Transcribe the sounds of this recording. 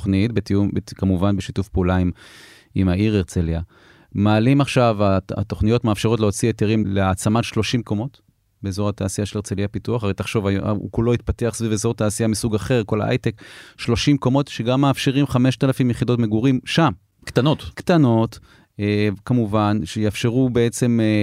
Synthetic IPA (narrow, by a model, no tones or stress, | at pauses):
χnitbetiumbekamuvanbeʃitufpeulaim | imaiʁeʁt͡selja | maːlimaχʃavaa̰t̪o̞χnijo̞tmeafʃeʁo̞tleo̞t͡sietiʁimleat͡samatʃlo̞ʃimko̞mo̞t | beːzo̞ʁat̪aːsijaʃelet͡seljapituaχaʁejtaχʃo̞va̰kulo̞it̪̚pateaχsvivezo̞ʁtaːsijamisuɡaχe̞ʁko̞la̰ʔa̰jtekʃlo̞ʃimko̞mo̞tʃeɡamːeafʃeʁimχame̞ʃt̪alafimjeχid̪o̞tme̞ɡuʁimʃam | kt̪anot̪kt̪ano̞t | kamuvanʃejafʃe̞ʁubeet͡se̞m